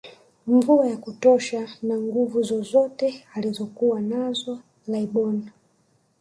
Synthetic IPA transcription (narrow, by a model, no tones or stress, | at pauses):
ɱvuajakutɔʃanaŋɡuvuzɔzɔtɛalizɔkuwanazɔ | laiɓɔna